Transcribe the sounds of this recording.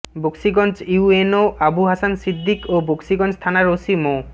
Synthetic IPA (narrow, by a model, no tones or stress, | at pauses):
boksiɡɔnt͡ɕjuenoʔabuɦasansid̪ʱːikoboksiɡɔnt͡ʃt̪ʰanaɹosimo